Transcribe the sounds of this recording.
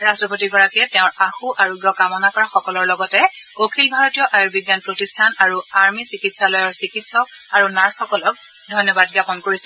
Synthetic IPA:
ɹastɹɔpotiɡɔɹakiɛtɛʊ̃ɹaxuʔaɹɔɡjɔkamɔnakɔɹaxɔkɔlɔɹlɔɡɔtɛokʰilbʱaɹɔtijɔʔajɔɹbiɡjanpɹotistʰanaɹuaɹmisikitsalɔjɔɹsikitsɔk̚ | aɹunaɹsxɔkɔlɔk̚ | dʱɔjnɔbad̚ɡapɔnkoɹisɛ

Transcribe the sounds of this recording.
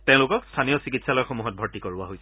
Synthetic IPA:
tẽʊ̃lʊkɔkstʰanijɔsikitsalɔjɔxomuɦɔt̚bʱɔɹtikoɹa̰ɦojsɛ

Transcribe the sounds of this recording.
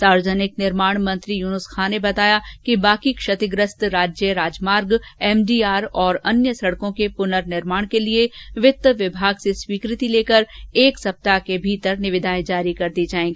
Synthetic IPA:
saːɾʋəd͡ʒənɪknɪɾmaːɽ̃mɐ̃nt̪ɾijuːnʊskʰaːnebɐt̪aːjakibaːkikʃɐt̪ɪɡɾəst̪ɾaːd͡ʒjəɾaːd͡ʒmaːɾɡɛːmɖiːaːɾɔːɾɐnjəsɐɽkõkepʊnəɾnɪɾmaːɽ̃kelieʋɪt̪ːəʋɪbʱaːɡseswiːkɾɪt̪ileːkəɾeːksɐp̚t̪akebʱiːt̪əɾnɪʋɪd̪aːẽd͡ʒaːɾikɐɾd̪id͡ʒaːẽːŋɡiː

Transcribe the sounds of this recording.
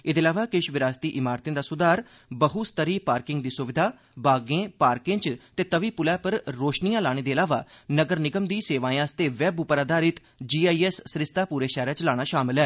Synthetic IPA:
ɪd̪eːlaːʋaːkɪʃʋɪɾaːst̪iːʔɪmaːɾt̪ɪ̃ːd̪aːsʊd̪aːɾ | bəɦʊst̪əɾiːpaːɾkɪŋɡ̚d̪iːsʊʋɪd̪ʱaː | baːɡẽːpaːɾkɪ̃ŋɡt͡ʃt̪eːt̪əʋiːpʊlɛːpəɾɾoːʃnijãːlaːɽ̃eːd̪eːəlaːʋa̰ːnəɡəɾnɪɡəmd̪iːseːʋãːjãːst̪eːʋɛːbʊpɾaːd̪aːɾɪt̪ | d͡ʒiːaːiːɛːsːɾɪst̪aːpuːɾeːʃɛːɾẽːt͡ʃlaːɽ̃aːʃaːmɪlɦɛː

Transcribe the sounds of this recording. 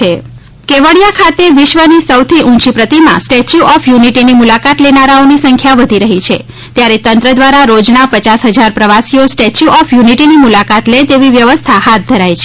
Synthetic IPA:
e | keʋəɭjakʰat̪eʋɪʃʋənisəwt̪ʰiʔũt͡ʃipɾət̪imã̰sʈet͡ʃjuʔɔfjuniʈinimulakat̪lenaɾaonisəŋkʰjaʋəd̪ʱiɾəɦit͡ʃʰe | t̪jaɾet̪ənt̪ɾəd̪ʋaɾaɾod͡ʒnapət͡ʃasɦəd͡ʒaɾpɾəʋasiosʈet͡ʃjuʔɔfjuniʈinimulakat̪let̪eʋiʋjəʋəst̪ʰahat̪̚d̪ʱəɾajt͡ʃʰe

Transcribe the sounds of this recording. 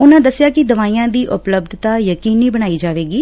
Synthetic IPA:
ʊnãːd̪əsːɪjaːkɪd̪əʋaːiːãːd̪iːʔʊpləb̚d̪ʱt̪aːjəkiːniːbəɽ̃aːiːd͡ʒaːʋeːɡiː

